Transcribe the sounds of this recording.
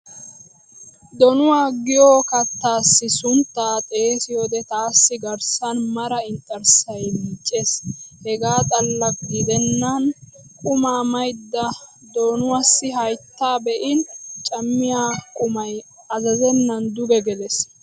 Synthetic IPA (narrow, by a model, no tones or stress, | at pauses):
d̪ɔnʊwaːɡɪjoːkɐt̪ːaːsːɪsʊnt̪ːaːt̪ʼe̞ːsɪjod̪ɛt̪aːsːɪɡɐɾsɐnmɐɾɐɪnt̪ʼːɐɾsɐjmɪt͡ʃʼːeːshɛɡaːt̪ʼɐlːɐkɡɪd̪ɛnːɐn | kʼʊmaːmɐjd̪ːɐ | d̪ɔnʊwasːɪɦɐjt̪ːaːbɛʔɪnt͡ʃʼɐmːɪjaːkʼʊmɐj | ɐzɐzɛnːɐnd̪ʊɡɛɡɛlɛs